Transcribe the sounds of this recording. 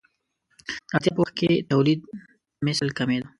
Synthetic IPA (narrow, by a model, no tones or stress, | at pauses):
at̪jɑpəwaxket̪awlid̪̚ | mɪslkamed̪u